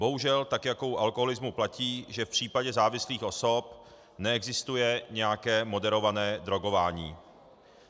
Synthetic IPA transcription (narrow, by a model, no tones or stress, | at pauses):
bo̞ɦuʒɛlt̪akjako̞wʔalkoɦolɪzmuplaciːʒɛfpr̝̥iːpaɟɛzaːvɪsliːxʔo̞so̞p | nɛɛɡzɪst̪ujɛɲɛjakɛːmo̞dɛɾo̞vanɛːdɾo̞ɡo̞vaːɲḭː